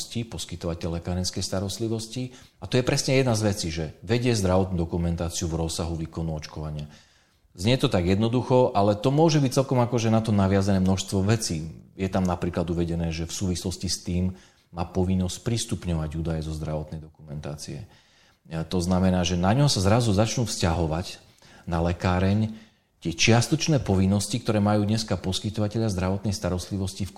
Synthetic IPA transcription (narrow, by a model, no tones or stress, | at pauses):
scipɔskit̪ɔʋacɛʎɛkaɾɛnskɛjst̪aɾɔst̪liʋɔsciat̪ɔjɛpɾɛsɲɛjɛd̪nazʋɛt͡siʒɛʋɛɟɪɛzd̪ɾaʋɔt̪̚nud̪ɔkumɛnt̪aːt͡siuvɾɔsːaɦuʋiːkɔnuɔt͡ʃkɔʋaɲɪa | zɲɛjɛt̪ɔt̪aɡjɛd̪nɔd̪uxɔʔalɛt̪ɔmʊɔʒɛbict͡sɛlkɔmakɔʒɛnat̪ɔnaʋɪazanɛːmnɔʃst̪ʋɔʋɛt͡siːjɛt̪amnapɾiːklad̪uʋɛɟɛnɛːʒɛfsuːʋislɔscist̪iːmː | aːpɔʋinːɔsc̚pɾist̪upɲɔʋaɟuːd̪ajɛzɔzd̪ɾaʋɔt̪nɛjd̪ɔkumɛnt̪a̰ːt͡siɛ̰ | t̪ɔznamɛnaːʒɛnaɲɦɔsazɾazuzat͡ʃnuːfscaɦɔʋac | nalɛkaːɾɛɲ | t̪ɪɛt͡ʃɪast̪ɔt͡ʃnɛːpɔʋinːɔscikt̪ɔɾɛːmajuːd̪ɲɛskapɔskit̪ɔʋacɛʎɪazd̪ɾaʋɔt̪nɛjst̪aɾɔst̪liʋɔscif